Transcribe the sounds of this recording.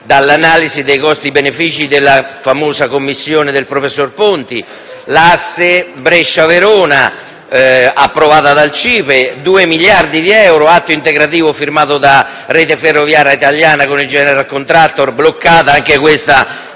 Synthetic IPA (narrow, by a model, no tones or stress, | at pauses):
d̪alːanaːlizid̪ejkɔst̪ibenefiːt͡ʃid̪elːafamoːsakomːisːjoːned̪elpɾofesːorpont̪i | lasːebɾeʃːaveɾoːna | apːɾovaːt̪ad̪alt͡ʃiːped̪uːemiljard̪id̪iɛwɾoat̪ːoint̪eɡɾat̪iːvʊfirmaːt̪ʊd̪a | reːt̪eferːovjaːɾjait̪aljaːnakonild͡ʒɛːneɾalkont̪ɾat̪ːorblokːaːt̪aaŋkekwest̪a